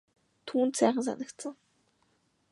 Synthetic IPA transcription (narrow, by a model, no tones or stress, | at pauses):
t̪ʰuːnt̪sæːχə̆ns̬a̰nə̆kt̪sə̆ŋ